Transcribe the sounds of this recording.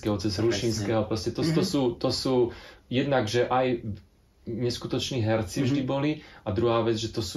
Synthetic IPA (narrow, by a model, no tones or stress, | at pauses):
kɛɦɔt͡sɛzɾuʃinskɛːɦɔpɾɔscɛt̪ɔt̪ɔsuːt̪ɔsuːjɛd̪naɡʒɛʔaj | ɲɛskut̪ɔt͡ʃniːɦɛɾt͡sivʒd̪ibɔliad̪ɾuɦaːʋɛd͡zʒɛt̪ɔsuː